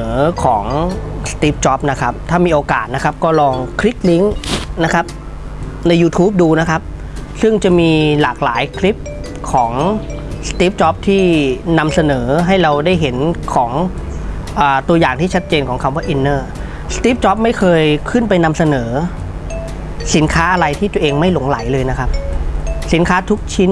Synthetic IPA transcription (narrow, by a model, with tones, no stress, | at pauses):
kʰɔː˩˦ŋst̪iː˦˥p̚t͡ɕɔ˦˥p̚na˦˥kʰa˦˥p̚t̪ʰaː˥˩miː˧ʔoː˧kaː˨˩t̪̚na˦˥kʰa˦˥p̚kɔː˥˩lɔː˧ŋkʰɾi˦˥k̚li˦˥ŋna˦˥kʰa˦˥p̚ | na˧jːuː˧t̪ʰuː˦˥p̚duː˧na˦˥kʰa˦˥p̚ | sɯ˥˩ŋt͡ɕa˨˩miː˧laː˨˩k̚laː˩˦jkʰli˦˥p̚ | kʰɔː˩˦ŋ | st̪iː˦˥p̚t͡ɕɔ˦˥p̚t̪ʰiː˥˩na˧msa˧nɤː˩˦ɦa˥˩jɾa˧wdaː˥˩jɦe˩˦nkʰɔː˩˦ŋ | ʔaː˨˩t̪u˧ɐjaː˨˩ŋt̪ʰiː˥˩t͡ɕʰa˦˥t̪̚t͡ɕeː˧nkʰɔː˩˦ŋkʰa˧mwa˦˩ʔi˧nːɤː˥˩ | st̪iː˦˥p̚t͡ɕɔ˦˥p̚ma˥˩jkʰɤː˧jkʰɯ˥˩npa˧jna˧msa˧nɤː˩˦ | si˩˦nkʰaː˦˥ʔa˧ɾa˧jt̪ʰiː˥˩t̪u˧ɐʔeː˧ŋma˥˩jlo˩˦ŋla˩˦jlɤː˧jna˦˥kʰa˦˥p̚si˩˦nkʰaː˦˥t̪ʰu˦˥k̚t͡ɕʰi˦˥n